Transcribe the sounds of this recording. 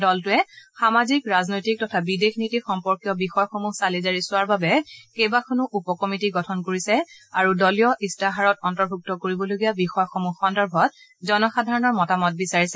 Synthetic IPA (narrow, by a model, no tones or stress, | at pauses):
dɔltʊɛxamazikɹaznojtik̚tɔtʰabidexnitixɔmpɔɹkjɔbixɔjɔxomusalizaɹisʊwaɹbabɛkejbakʰonuʔupɔkɔmitiɡɔtʰɔnkoɹisɛaɹudɔlijɔʔistaɦaɹɔtɔntɔɹbʱuk̚tɔkoɹibɔloɡijabixɔjɔxomuxɔndɔɹbʱɔt̚ | zɔnɔxadʱaɹɔnɔɹmɔtamɔt̚bisaɹisɛ